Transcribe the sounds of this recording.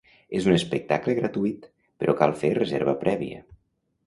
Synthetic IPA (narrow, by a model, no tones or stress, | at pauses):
ezunəspək̚t̪akləɣɾat̪uit̪ | pəɾɔkalˠferəzḛɾβəpɾɛβḭə̰